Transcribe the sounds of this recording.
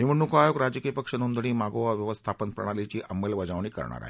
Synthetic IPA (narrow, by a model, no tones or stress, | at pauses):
ɦiʋəɳnːukʰajoɡɾad͡ʑkijəpəkʂənund̪ɽiːmaɡoʋaʋjəʋəst̪ʰapənpɾə̰ɽ̃alit͡ɕiːʔəmelʋəd͡zaʋɳ̃iːkə̰ɾɳa̰ɾa̰ɦe